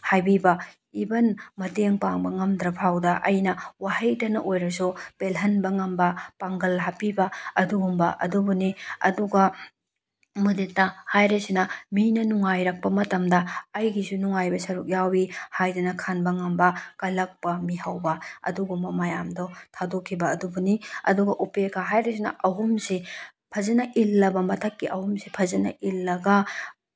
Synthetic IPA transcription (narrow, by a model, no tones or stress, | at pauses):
hajbibɐ | ibɐnmɐteŋpaŋbɐŋɐmdɾɐpʰawdɐʔɐjnɐwahɐjtɐnɐʔojɾɐsupelɦɐnbɐŋɐmbɐpaŋɡɐlɦapibɐɐduɡumbɐ̰ʔɐ̰dubuniɐ̰duɡɐ | mudet̚nɐhajɾɐsinɐminɐnuŋajɾɐk̚pɐmɐtɐmdɐɐjɡisunuŋajbɐsɐɾuk̚jawihajdunɐkʰanbɐŋɐmbɐkɐlɐk̚pɐmihawbɐɐ̰duɡumbɐmɐjamdɔtʰadokʰːibɐːdubuniɐ̰duɡɐʔupekʰaɦajɾɐs̬inɐ̰ʔɐɦumsi | pʰɐzɐnɐʔilːɐbɐmɐtʰɐkːiʔɐhumsipʰɐzɐnɐ̰ʔilːɐɡɐ